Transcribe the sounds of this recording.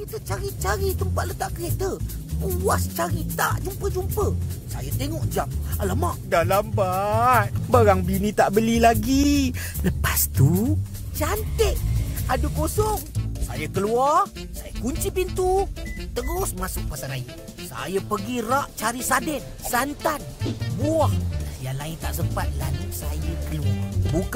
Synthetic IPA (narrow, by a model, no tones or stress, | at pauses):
kit̪ət͡ʃaɾit͡ʃaɾit̪əmpat̪̚lət̪aʔkəɾet̪əpuwast͡ʃaɾit̪aʔd͡ʒumpəd͡ʒumpəsajət̪eŋɔʔd͡ʒamələmaʔdalambat̪̚baɾaŋbinit̪aʔbəlilaɡi | ləpast̪u | t͡ʃant̪ɪʔ̚adukosɔŋsa̰jəkəluarsajəkuɲt͡ʃipint̪ut̪əɡʊsmasʊk̚pasanai | sa̰jəpəɡiraʔt͡ʃaɾisadɛn | sant̪anbuahjalaɪnt̪a̰ʔsəmpat̪̚lalusajəkəluarbuk